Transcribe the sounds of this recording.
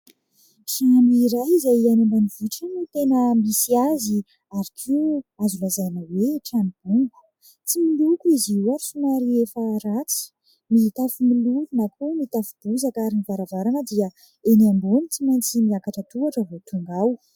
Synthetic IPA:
ʈ͡ʂaniɾajizajianembanivuʈ͡ʂanut̪enəmisiazi | aɾikʰiazulazanəweʈ͡ʂanib̥uŋɡu̥ | t͡similukuiziuasunaɾiefaɾat͡sə̥ | miit̪afumiluvunakumit̪afub̥uzakaɾinivaɾavaɾanəd̪iə | eniambunit͡simant͡simiakaʈ͡ʂət̪uaʈ͡ʂəvot̪uŋɡaw

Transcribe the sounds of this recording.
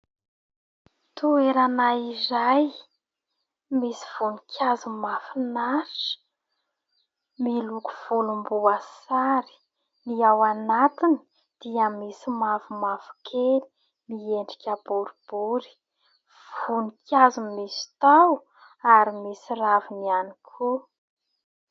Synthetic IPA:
t̪ueɾanaizaj | misi̥v̥unikʰʲazumafinaɾʈ͡ʂə̥ | miluku̥v̥ulumbuasaɾi̥ | niawanat̪ini̥ | d̪̥iamisimafumavu̥kʰeli̥ | mieɳɖ͡ʐikʲabuɾub̥uɾi̥ | v̥unikʰʲazumisi̥t̪aw | aɾimisiravinianikʰu

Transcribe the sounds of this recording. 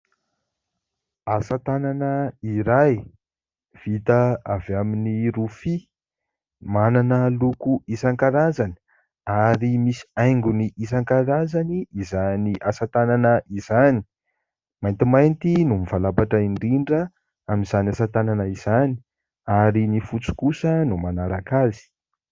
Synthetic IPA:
asat̪ananəiɾaj | v̥it̪aavaminiɾufi | mananəlukuisaŋkaɾazani̥ | aɾimisi̥ajŋɡuniʔis̬aŋkaɾazaniːzaniʔasat̪ananəʔizani̥ | majnt̪imajnt̪inumivalapaʈ͡ʂaiɳɖ͡ʐiɳɖ͡ʐə | amizanasat̪ananəiz̥ani̥ | aɾinifut͡su̥kusənumanaɾakazi̥

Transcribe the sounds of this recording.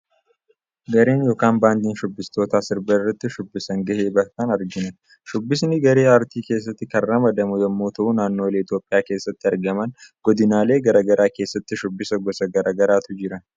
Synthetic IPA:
ɡɐɾe̞ːnjo̞ːkaːnbaːnd̪iːnʃʊbːɪst̪o̞ːt̪aːsɪɾbɐɪrːɐt̪ːɪʃʊbːɪsɐŋɡɐheːbɐkːaːnɐɾɡɪnɐn | ʃʊbːɪsnɪɡɐɾeːɐɾt̪iːke̞ːsːɐt̪ːɪkɐrːɐmɐd̪ɐmʊjɐmːoːt̪ɐʔunaːnːoːleːɪt̪jo̞ːpʼɪjaːke̞ːsːɐt̪ːɪɐɾɡɐmɐnɡ̥ɔd̪ɪnaːle̞ːɡɐɾɐɡɐɾaːke̞ːsːɐt̪ːɪʃʊbːɪsɐɡɔsɐɡɐɾʔɐɡɐɾaːt̪ʊd͡ʒɪɾɐn

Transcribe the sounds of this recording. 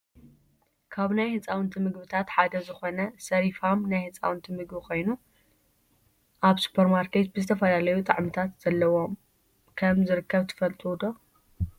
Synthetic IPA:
kʰaβnajhɨt͡sʼawɨnt̪ʰɨmɨɡβɨt̪ʰat̪ħad̪ɐzɨxo̞nɐsɐɾifamnajhɨt͡sʼa̰wɨnt̪ʰɨmɨɡbɨkʰo̞jnu | ʔaβsu̥pʰɐɾmaɾkʰe̞t̪̚bɨzɨt̪ʰɐfɐlalɐjut̪ʼɐʕmɨt̪ʰat̪z̥ɐlːɐwo̞m | kʰɐmzɨɾɨkːɐβt̪ʰɨ̥fɐlt̪ʼud̪o̞

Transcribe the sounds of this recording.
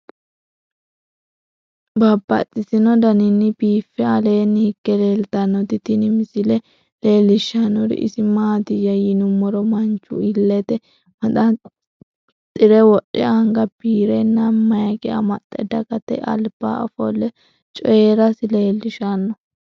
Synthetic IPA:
bɐbːɐ̰t͡sʼːɪsɪnɔd̪ɐnɪnːɪbiːfːɛɐle̞ːnːɪhɪkːɛle̞ːlt̪ɐnːɔt̪ɪt̪ɪnɪmɪsɪlɛ | le̞ːlːɪʃːɐnːʊɾɪ̰ʔɪ̰sɪmaːt̪ɪjɐjɪnʊmːɔɾɔmɐnt͡ʃːʊ̰ɪlːɛt̪ɛ | mɐtɐ | t̪ʼɪɾɛwɔɗɛɐŋɡɐb̥iːɾɛnːɐmmːɐjɐkɛɐ̰mɐt̪ʼːɛ̰d̪ɐkɐt̪ɛ̰ʔɐ̰lb̥a̰ːɐ̰fɔ̰lːɛ | t͡ʃʼɔjeɾɐsɪleːlːɪʃanːɔ

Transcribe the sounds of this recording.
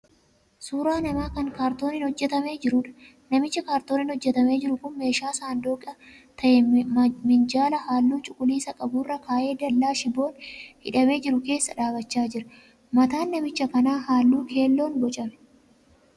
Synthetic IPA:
suːɾaːnɐmaːkɐŋkaːɾt̪o̞ːnɪnhɔd͡ʒːɛt̪ɐme̞ːd͡ʒɪɾʊᶑɐ̥ | nɐmɪt͡ʃːɐkaːɾt̪o̞ːnɪnhɔd͡ʒːɛt̪ɐme̞ːd͡ʒɪɾʊkʊnmːe̞ːʃaːsaːnd̪oːkʼɐ | t̪ɐʔɛmɪnd͡ʒaːlɐhaːlːuːt͡ʃʼʊkʼʊliːsɐkʼɐbuːrːɐkaːʔe̞ːd̪ɐlːaːʃɪbo̞ːnhɪ̰ᶑɐme̞ːd͡ʒɪɾʊke̞ːsːɐᶑaːbɐt͡ʃːaːd͡ʒɪɾɐ | mɐt̪aːnːɐmɪt͡ʃːɐfɐnaːhaːlːuːkʰe̞ːlːo̞ːnbɔt͡ʃʼɐmɛ̥

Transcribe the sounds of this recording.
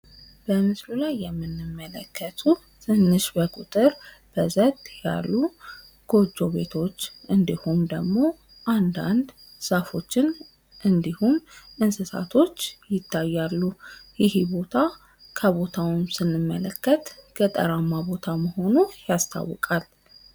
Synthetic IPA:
b̥əmɨslulajːɛmːɨnːɨmːələkʰːət̪ʰu | t̪ʰɨnːɨʃbəkʼut̪ʼɨɾb̥əzət̪ja̰lːu | ɡ̥o̞d͡ʒːo̞βe̞t̪ʰo̞t͡ʃːʔɨnd̪ihumd̪əɡmo̞ | ʔand̪a̰nd̪ | safo̞t͡ʃːɪn | ʔɨnd̪ihunɨnsɨsa̰t̪ʰo̞t͡ʃːjɪt̪ʰːajːalːujɪhibo̞t̪ʰa | kʰəβo̞t̪ʰawmsɨnːɨmːələkːət̪ɡət̪ʼə̰ɾamːabo̞t̪ʰaməho̞nujast̪ʰa̰wːɔ̰kʼal

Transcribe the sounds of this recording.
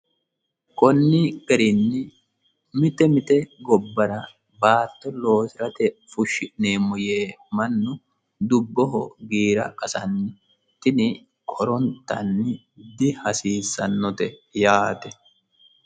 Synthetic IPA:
kɔnːɪɡɐɾɪnːɪ | mɪt̪ɛmɪt̪ɛɡɔbːɐɾɐ | baːt̪ːɔlo̞ːsɪɾɐt̪ɛfʊʃːɪneːmʊjeːmɐnːʊ | d̪ʊbːɔɦɔ̰ɡiːɾɐ̰ʔɐsɐnːɪ | t̪ːɪnɪ | kʰʼɔɾɔnt̪ːɐnːɪ | d̪ɪhɐsiːsːɐnːɔt̪ɛjaːt̪ɛ

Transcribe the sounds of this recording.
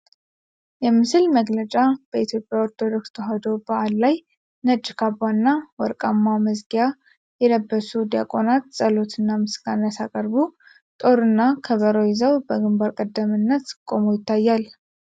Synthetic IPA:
jɛmɨsɨlməɡlət͡ʃʼab̥əit̪ʰjo̞pʼjaoɾt̪ʰod̪o̞k̚st̪ʰoɦad̪o̞baʔalːaj | nəd͡ʒʼːɪkʰabːanːawɔɾkʼamːaməzɡija | jɛləbːəsud̪ja̰kʼo̞nat̪sʼəlo̞t̪ʰɨnːamɨsɡanːəsakʼəɾbu | t̪ʼo̞ɾɨnːakʰəβəɾojɪzəwbəɡɨmbaɾkʼəd̪ːəmɨnːət̪kʼo̞mojɪt̪ʰːajːal

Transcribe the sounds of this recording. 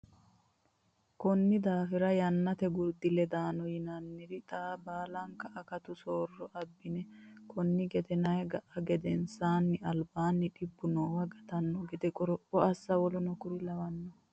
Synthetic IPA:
kɔnːɪd̪aːfɪɾɐjɐnːɐt̪ɛɡʊɾd̪ɪlɛd̪aːnɔjɪnɐnːɪɾɪt̪ʼaːbaːlɐŋkɐʔɐkɐt̪ʊsoːrːɔʔɐbːɪnɛkʰɔnːɪɡɛd̪ɛnɐjɡɐʔɐɡɛd̪ɛnsaːnːɪɐlbaːnːɪᶑɪbːʊnoːwɐɡɐt̪ɐnːɔɡɛd̪ɛkʼɔɾɔpːɔɐsːɐwɔlʊnɔkʊɾɪlɐwɐnːɔ

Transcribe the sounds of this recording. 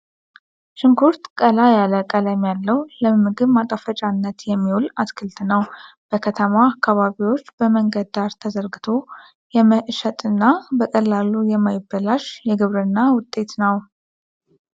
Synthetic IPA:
ʃɨŋkʰuɾt̪kʼəlajaləkʼələmjalːəwləmmːɨɡɨβmat̪ʼəfət͡ʃʼanːət̪jɛmːiwulaskʰɨlt̪ʰnəw | b̥əkʰət̪ʰəmaːkːaβaβiwo̞t͡ʃːbəməŋɡəd̪aɾt̪ʰəzəɾɡɨt̪ʰo̞ | jɛməʔʃət̪ʼɨnːabəkʼəlːalujɛmajɪbːəlaʃjɛɡɨβɾɨnːawʊt̪ʼːe̞t̪nəw

